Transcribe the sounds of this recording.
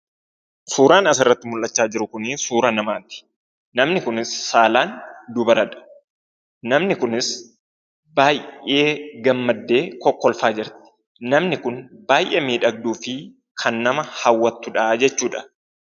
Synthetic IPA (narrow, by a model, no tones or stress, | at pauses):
suːɾaːnɐsɪrːɐt̪ːɪmʊlʔɐt͡ʃːaːd͡ʒɪɾʊkʊnɪsuːɾɐnɐmaːt̪ɪ̥ | nɐmnɪkʊnɪsːaːlaːnd̪ʊbɐɾɐᶑɐ̥ | nɐmnɪkʊnɪs | baːje̞ːɡɐmːɐd̪ːe̞ːkɔkːɔlfaːd͡ʒɪɾt̪ɪ̥ | nɐmnɪkʊnbaːjʔeːmiːᶑɐɡ̚d̪uːfɪ | kʰɐnːɐmɐhɐwːɐt̪ːʊᶑɐd͡ʒɛt͡ʃːuːᶑɐ̥